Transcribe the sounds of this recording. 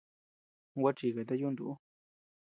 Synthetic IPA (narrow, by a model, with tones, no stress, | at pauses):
ɡʷa˦˧t͡ʃi˧˨ka˨˧t̪̬a˦ju˦nd̪ṵ˨u˦